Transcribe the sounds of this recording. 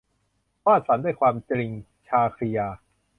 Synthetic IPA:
kwaː˥˩t̪̚sa˩˦ndaː˥˩jkʰwaː˧mt͡ɕɾi˧ŋ | t͡ɕʰaː˧kʰɾi˧jaː˧

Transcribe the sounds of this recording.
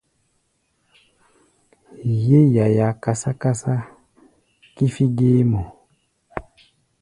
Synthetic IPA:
je˦ja˨ja˨ka˨sa˦ka˦sa˦ | ki˦fi˦ɡeː˦mɔ˨

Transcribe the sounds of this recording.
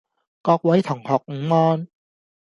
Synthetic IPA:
kɔː˧k̚wɐ˨˥jt̪ʰʊ˨˩ŋhɔː˨k̚ŋ̩˨˦ŋɔː˧n

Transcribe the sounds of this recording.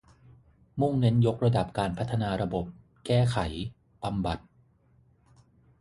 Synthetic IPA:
mu˥˩ŋne˦˥njo˦˥k̚ɾa˧da˨˩p̚kaː˧npʰa˦˥t̪ʰːa˧naː˧ɾa˧bo˨˩p̚ | kɛː˥˩kʰa˩˦j | b̥a˧mba˨˩t̪̚

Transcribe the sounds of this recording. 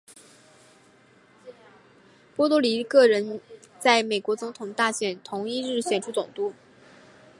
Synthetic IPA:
pwɔ˥t̪u˥li˧˥kɤ˥˩ɻə˧˥n | t͡sa˥˩ɪme˨˩ɪkwɔ˧˥t͡sʊ˧˥ŋt̪ʰʊ˨˩ŋt̪a˥˩ɕjɛ˨˩nt̪ʰʊ˧˥ŋi˥˧ɻ̩˥˩ɕjɛ˨˩nʈ͡ʂʰu˥t͡sʊ˨˩ŋt̪u˥˩

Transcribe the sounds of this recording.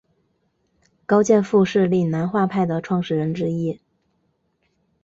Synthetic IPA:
kɑ˥ʊt͡ɕjɛ˥˧nfu˥˧ʂɻ̩˥˧li˥˩na˧˥nxwa˥˧pʰa˥˩ɪd̪ə˩ʈ͡ʂʰwɑ˥˧ŋʂɻ̩˥˩ɻə˧˥nʈ͡ʂɻ̩˥i˥

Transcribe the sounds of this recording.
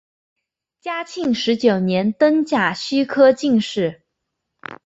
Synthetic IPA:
t͡ɕja˥t͡ɕʰi˥˩ŋʂɻ̩˧˥t͡ɕjo˨˩ʊnjɛ˧˥nt̪ɤ˥ŋt͡ɕja˨˩ɕy˥kʰɤ˥t͡ɕi˥˧ŋʂɻ̩˥˩

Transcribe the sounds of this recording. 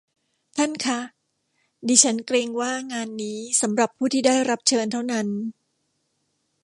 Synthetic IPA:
t̪ʰa˥˩nkʰa˦˥˩ | diː˧t͡ɕʰa˦˥nkɾeː˧ŋwaː˥˩ŋaː˧nːiː˦˥sa˩˦mɾa˨˩pʰːuː˥˩iː˥˩daː˥˩jɾa˦˥p̚t͡ɕʰɤː˧nt̪ʰa˥˩wna˦˥n

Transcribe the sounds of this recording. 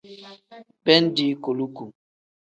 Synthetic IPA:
pɛ˦n˦di˦ko˨lu˦ku˨

